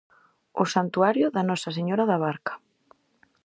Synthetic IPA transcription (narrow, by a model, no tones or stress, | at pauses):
ʊsant̪uaɾjʊðɐnɔsɐseɲɔɾaðaβaɾkḁ